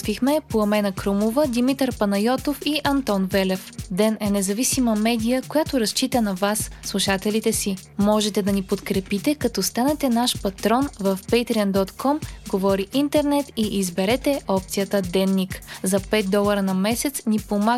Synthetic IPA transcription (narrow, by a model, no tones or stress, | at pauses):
vixmɛpoɐmɛnəkɾumovəd̪imit̪əɾpɐnɐjɔt̪ofiʔɐnt̪ɔnvɛlɛfd̪ɛnɛnɛzɐvisiməmɛd̪ijəkojat̪ʊɾɐst͡ʃit̪ənɐvasːlˠuʃat̪ɛlit̪ɛsi | mɔʒɛt̪ɛd̪ɐnipot̪kɾɛpit̪ɛkɐt̪ɔst̪anɛt̪ɛnaʃpɐt̪ɾɔnvəfpɛjt̪ɾiənd̪ɔt̪kʰɔmɡovɔɾiʔint̪ɛɾnɛt̪iʔizbɛɾɛt̪ɛʔɔp̚t̪sijət̪əd̪ɛnːikzɐpɛt̪̚d̪ɔlˠəɾənɐmɛsɛt̪snipoma